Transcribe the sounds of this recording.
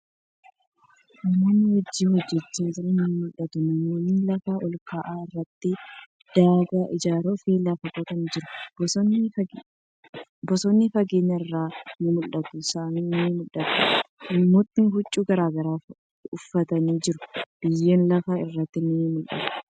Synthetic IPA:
ʔɪmːonːɪwɔd͡ʒːiːhɔd͡ʒːɛt͡ʃːeːd͡ʒɪɾɐnɪmʊlːɐt̪ʊnɪmːonɪnlɐfɐʔɔlkaːʔaːɪrːɐt̪ːɪ | d̪̥aːɡaːʔɪd͡ʒaːɾofiːlaːfɐkʼɔt̪ɐnd͡ʒɪɾʊbɔ | bɔsɔnːɪfɐɡeːɲːɐɪrːaːnɪmʊlːɐt̪ʊsaːniːnɪmʊlːɐt̪ʊʔɪmːoːt̪ːɪnɪɦʊt͡ʃʼːuːɡɐɾaːɡɐɾaː | ʊfːɐt̪ɐniːd͡ʒɪɾʊ̥b̥ɪjːeːnlɐfɐɪrːɐt̪ːɪnɪmʊlʔɐ̰t̪ʊ̥

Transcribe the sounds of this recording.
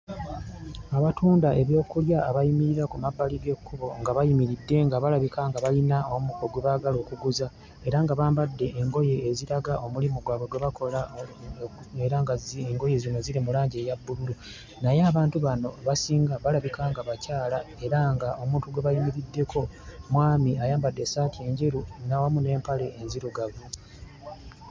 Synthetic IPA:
aβatuːndae̞βjo̞ːkuljaːβajimiɾiɾakumabːaliɡe̞kːuβo̞ŋɡaβajimiɾidːe̞ŋɡaβalaβikʰaŋɡaβalinaomuko̞ɡweβaːɡalo̞ːkuɡuza | e̞ɾaŋɡaβaːmbadːe̞ːŋɡo̞je̞ːziɾaɡaʔo̞mulimuɡwaːβweɡwe̞βakʰo̞la | eɾaŋɡaeŋɡoje̞zino̞ziɾimulaːɲɟe̞ːjabːululu | najeaβaːntuβano̞βasiːŋɡaβalaβikaŋɡaβacaːlae̞ɾaŋɡao̞mũːntuɡweβalimiɾidːe̞kʰo̞mwaːmiajaːmbadːe̞saːtie̞ːɲɟiɾunawamune̞ːmpale̞ːnziɾuɡaβu

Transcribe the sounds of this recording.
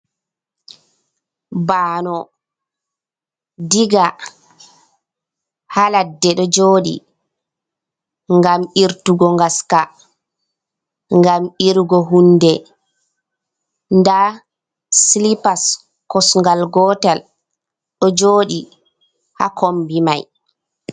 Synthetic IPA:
baːnɔ | diɡa | haladːɛɗɔd͡ʒoːɗḭ | ŋɡamiɾtuɡɔŋɡaska | ŋɡamiɾɡɔɦunːdɛ | nda | slipas | kɔsŋɡalɡɔːtal | ɗɔd͡ʒoːɗi | ha̰kʰombimaj

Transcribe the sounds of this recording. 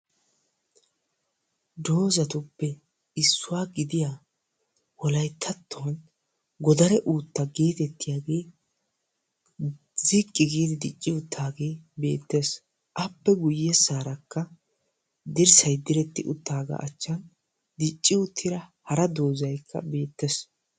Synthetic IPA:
d̪o̞ːzɐt̪ʊpːɛ | ɪsːʊwaːɡɪd̪ɪjaː | wɔlɐjt̪ʰːɐt̪ːoɐn | ɡɔd̪ɐɾɛʔuːt̪ːɐɡe̞ːt̪ɛt̪ːɪjaːɡe̞ː | zɪkʼːɪɡiːd̪ɪd̪ɪt͡ʃʼːɪʊt̪ʰːaːɡe̞ːbe̞̰ːt̪ːe̞ːs | ʔɐpːɛɡʊjːɛsaːɾɐkːɐ | d̪ɪɾsɐjd̪ɪɾɛt̪ːɪ̰ʔʊt̪ːaːɡa̰ːʔɐt͡ʃːɐn | d̪ɪt͡ʃʼːɪʊt̪ʰːɪɾɐhɐɾɐd̪o̞ːzɐjkʰːɐ̰be̞ːt̪ːes

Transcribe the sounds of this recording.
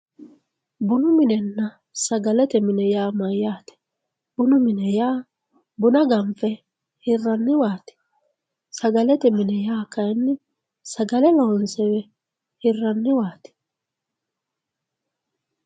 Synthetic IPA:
bʊnʊmɪnɛnːɐ | sɐɡɐlɛt̪ɛmɪnɛjaːmɐjːaːt̪ɛ̥ | b̥ʊnʊmɪnɛjaː | bʊnɐɡɐɱfɛ | hɪrːɐnːɪwaːt̪ɛ̥ | sɐɡɐlɛt̪ɛmɪnɛjaːkɐjnːɪ | sɐɡɐlɛlɔnsɛwɛ | hɪrːɐnːɪwaːt̪ɪ̥

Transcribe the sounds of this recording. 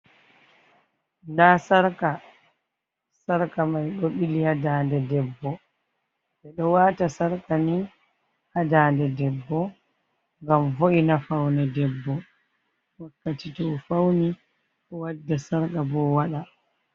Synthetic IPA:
ndaːsaɾka | saɾkamajɗoɓilihadaːndɛdɛbːɔ | ɓɛɗɔwaːtasaɾkani | hadaːndɛdɛbːɔ | ŋɡamvoʔinafawnɛdɛbːɔ | wakːatitɔfawni | ɗɔwadːasaɾkabɔwaɗa

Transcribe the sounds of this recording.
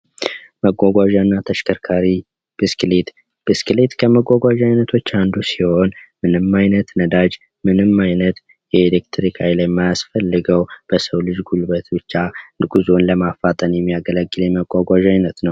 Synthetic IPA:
məɡʷaɡʷaʒanːat̪ʰəʃkʰəɾkʰaɾi | b̥ɨsklet̪ | b̥ɨskɨlet̪kʰəməɡʷaɡʷaʒajnət̪ʰo̞t͡ʃːand̪usiho̞nmɨnɨmːajnət̪nəd̪ad͡ʒ | mɨnɨmːajnət̪ | jɛelek̚t̪ʰɾikʰajlajmːajasfəlːɨɡəwb̥əsəwlɨd͡ʒɡulbət̪bɨt͡ʃːaɡuzo̞nləmafat̪ʼənjɛmːijaɡələɡːɨljɛməɡʷaɡʷaʒajnət̪nəw

